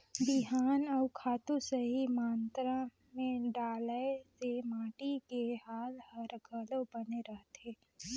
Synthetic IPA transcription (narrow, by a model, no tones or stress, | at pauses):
biɦaːnɔʊkʰaːt̪usəɦimaːnt̪ɾã | mẽɖaːləesemaːʈikeɦaːlhɐɾɡʱələwbəneɾəɦt̪eː